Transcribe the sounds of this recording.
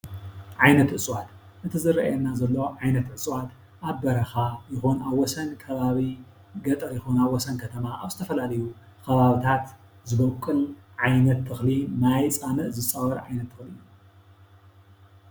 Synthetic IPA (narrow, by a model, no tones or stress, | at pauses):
ʕajnɐt̪ʕɨsʼwat̪ | ʔɨt̪ʰɨzɨɾɐ̰ʔɛnːazɐlːoʕajnɐt̪ʕɨsʼwat̪ | ʔaβbɐɾɐxajɪxunaβwɔsɐnkʰɐβaβi | ɡɐt̪ʼɐɾjɪxunaβwɔsɐnkʰɐt̪ʰɐmaʔaβzɨ̥t̪ʰɐfɐlalɐju | kɐβaβit̪ʰat̪ | zɨβɐkʼːɨlʕajnɐt̪ʰːɨxlimajt͡sʼanɨʔzɨt͡sʼːawɐɾʕa̰jnɐt̪ʰːɨxli